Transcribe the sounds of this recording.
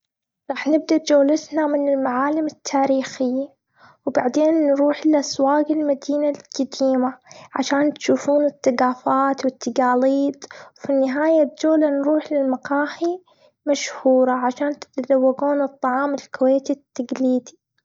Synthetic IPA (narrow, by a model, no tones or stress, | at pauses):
ɾˤɑːħnɪb̚d̪ad͡ʒoːlɪt̪namɪnɪlmaʕaːlɪmɪt̪ʰːaːɾiːxɪjːa | wbaʕd̪eːnːɾuːħlɪʔaswaːɡɪlmad̪iːnalkad̪iːmaʕa̰ʃaːnt̪ʃuːfuːnɪt̪ːaɡaːfaːt̪wɪt̪ːaɡaːliːt̪wfinːɪɦaːjad͡ʒoːlanɾuːħlɪlmaqɑːhi | maʃhuːɾˤɑʕaʃaːnt̪ɪ̥t̪azawːaɡuːnɨt̪ˤːɑʕɑːmɪlkʊweːt̪it̪ːaɡliːd̪i